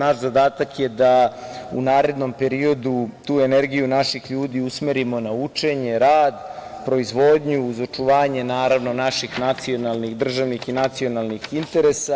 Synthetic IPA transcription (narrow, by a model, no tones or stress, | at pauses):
naʃzad̪aːt̪akjed̪aṵnaːɾe̞d̪no̞mpe̞ɾio̞d̪ut̪uːe̞neɾɡijunaʃixʎuːd̪iusmeɾimo̞naut͡ʂe̞ɲe̞ɾaːd̪ | pɾo̞izʋo̞d̪ɲuːzo̞t͡ʂuʋaːɲe̞naːɾaʋno̞naʃixnat̪sio̞nalˠnixd̪r̩ʒaʋnixinat̪sio̞nalnixint̪e̞ɾesa